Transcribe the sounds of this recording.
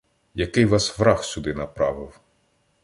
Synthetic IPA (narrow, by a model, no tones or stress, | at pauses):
jɐkɪjʋɑsʋɾɑxsʲud̪ɪnɐpɾɑʋɪw